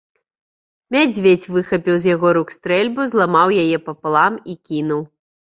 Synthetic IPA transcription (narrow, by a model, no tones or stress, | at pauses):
mʲad͡zʲvʲet͡sʲvɨxɐpʲiwzʲjaɣɔɾukst̪ɾɛlʲbuzlˠamawjajɛpɐpɨlˠamikʲinuw